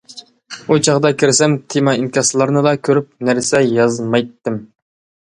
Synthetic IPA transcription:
ut͡ʃʰɑʁd̪ɑkʲʰɪɾɪsɛmt̪ʰemɑinkʲɑslˠɑɾnɨd̪ɑkʲʰøɾyp̚næɾsɛjɑzmɑjt̪ːɪm

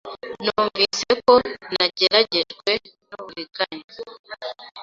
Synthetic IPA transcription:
nuːɱviːse̞ko̞naɟe̞ɾaɟe̞ʒɡwe̞ | nuβuɾiɡaɲa

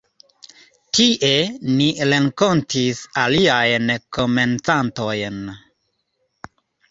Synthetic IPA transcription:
tiʔe̞niɾe̞ŋko̞ntisaliajnkʰo̞me̞nt͡santo̞jn

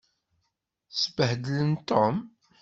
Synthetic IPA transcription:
səbəhd̪ələnt̪om

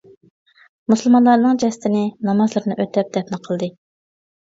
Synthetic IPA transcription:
musɨlˠmɑnlˠɑɾnɨŋd͡ʒɛsɪ̥t̪ʰɪnɪnɑmɑzlˠɨɾnɨʔøt̪ɛp̚d̪ɛpnɨqʰəlˠd̪ɨ

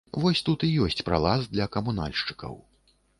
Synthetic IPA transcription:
vɔsʲt̪ut̪ijɔsʲt͡sʲpɾa̰lˠazd̪lʲɐkɐmuna̰lʲʂt͡ʂɨ̥kɐ̰w

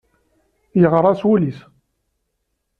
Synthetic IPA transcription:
jəʁɾˤɑswulis

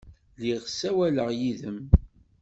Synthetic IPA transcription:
liʁsæwæləʁjiðəm

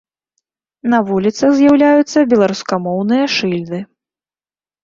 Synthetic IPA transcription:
nɐvulʲit̪sɐɣzʲjawlʲajut̪sːɐbʲɛlˠaɾuskamɔwnɨjɐʂɨlʲd̪ɨ

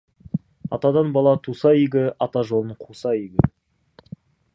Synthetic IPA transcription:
ɑ̰t̪ɑd̪ɑnbɑlˠɑt̪ʰusɑiɡʲɪʔɑt̪ɑʒo̞lˠəɴqʰusɑiɡʲɪ

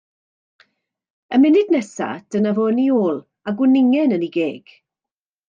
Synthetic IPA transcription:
əmɪnɪdnɛsa̰d̥ənavoːnioːlˠ | aɡwɪnɪŋɛnəniɡeːɡ̥

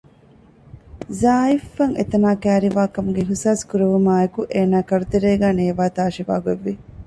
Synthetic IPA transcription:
zaːifːɐŋḛt̪ɐnaːkæːɾiʋaːkɐmuɡeɦusaːskuɾɐʋumaːekuʔeːnaːkɐɾut̪eɾeːɡæːneːʋaːt̪aːʃiʋa̰ːɡeʋːi

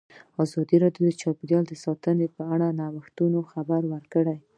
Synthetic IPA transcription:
ɑzɑd̪iɾɑdjod̪ət͡ʃɑpid̪jɑld̪əsɑt̪ənepəaɽanɑwəxt̪unoxabaɾwəɾkəɽaj

